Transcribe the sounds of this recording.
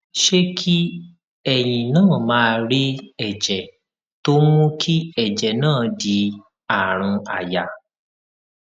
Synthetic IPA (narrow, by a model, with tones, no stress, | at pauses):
ʃe˦kʰi˦ | ɛ˨j̃ĩ˨nãː˦˨mãː˦˧ɾi˦ɛ˨d͡ʒɛ˨ | to˦mũ˦kʰi˦ɛ˦˨d͡ʒɛ˨nãː˦˨di˧˦ | a˨ɾ̃ũ˧a˨ja˨